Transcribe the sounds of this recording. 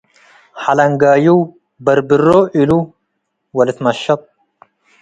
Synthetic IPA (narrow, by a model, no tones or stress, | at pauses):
ħalɐŋɡaːjuw | bɐɾbɨrːoʔilu | wɐlɨt̪mɐʃːɑt̪̚ˤ